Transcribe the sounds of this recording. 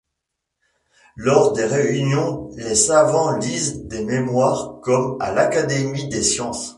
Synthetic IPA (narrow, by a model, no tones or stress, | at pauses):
lɔʁd̪eʁeynjɔ̃lesavɑ̃lizd̪ememwaːʁkɔma̰lakad̪emid̪esjɑ̃s